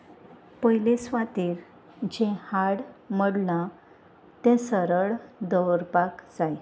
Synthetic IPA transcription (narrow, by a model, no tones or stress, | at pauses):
pəjlesʋat̪iːɾ | d͡ʑɛ̃haɽməɽlã | t̪ɛ̃səɾəɭd̪əwɾpakd͡zaj